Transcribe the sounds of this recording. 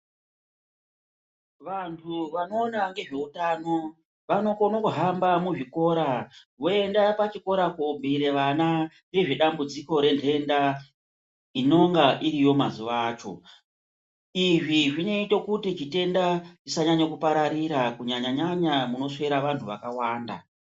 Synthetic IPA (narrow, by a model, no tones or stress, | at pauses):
ʋantʰuʋano̞ːnaŋɡe̞ʐe̞utano̞ | ʋano̞konokuɦambamuʐiko̞ːɾaʋo̞e̞ndapat͡ʃiko̞ɾakombiɾeʋana | ne̞ʐe̞ɗambud͡ziko̞ɾe̞ntʰe̞nda | ino̞ŋɡaʔiɾijo̞mazuʋaːt͡ʃo̞̰ | iʐiʐine̞itokutit͡ʃite̞ndaʐisaɲaɲakupaɾaɾiɾakuɲaɲaɲaɲamuno̞se̞ɾaʋantʰuʋakawaːnda̰